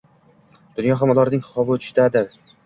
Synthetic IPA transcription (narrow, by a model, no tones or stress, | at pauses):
d̪̥ʊnjɒɦamɒlˠaɾnɪŋχɒvɨt͡ʃʰɪ̥d̪ad̪ɪɾ